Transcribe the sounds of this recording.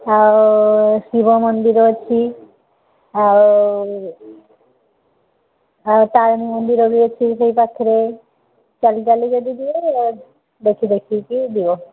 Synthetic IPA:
awʃibomond̪iɾot͡ɕʰi | aw | awt̪aɾamimond̪iɾoɡiet͡ɕʰiʃejpakʰːiɾe | t͡ɕalid͡ʑalid͡ʒod̪id̪ie | d̪ekʰid̪ekʰikid̪ibo

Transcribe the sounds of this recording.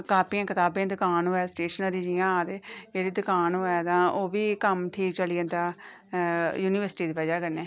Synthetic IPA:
kaːpiːãːkɪt̪aːbẽːd̪ʊkaːnɦoːɛːsʈeːʃənəɾiːd͡ʒɪjãːaːd̪eːd͡ʒeːɾiːd̪ʊkaːnɦoːɛːd̪ãːoːʋiːkəmʈʰiːt͡ʃəliə̃ːnd̪aː | juːniːʋəɾsʈiːd̪eːpɛd͡ʒaːkəɾneː

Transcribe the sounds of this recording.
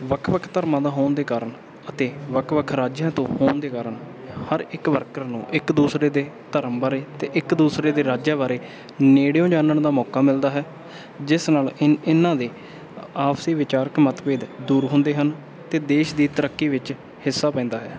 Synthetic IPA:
ʋəkʰʋəkʰt̪əɾmãːd̪aːɦoːnd̪eːkaːɾəɳ | ət̪eːʋəkʰʋəkʰɾaːd͡ʒjãːt̪õ̰ːhoːnd̪eːkaːɾəɳ | həɾɪkʋəɾkəɾnṵ̃ːʔɪkd̪uːsɾeːd̪eːt̪əɾəmbaːɾeːt̪eːʔɪkd̪uːsɾeːd̪eːɾaːd͡ʒaːbaːɾeː | neːɽejõːd͡ʒaːnəɳd̪aːmɔːkaːmɪld̪aːɦɛː | d͡ʒɪsnaːlɪɪnãːd̪eː | aːpsiːʋɪt͡ʃaːɾəkmət̪peːd̪d̪uːɾɦʊ̃nd̪eːɦən | t̪eːd̪eːʃd̪iːt̪əɾəkːiːʋɪt͡ʃ | hɪsːaːpɛ̃ːnd̪aːɦɛ̰ː

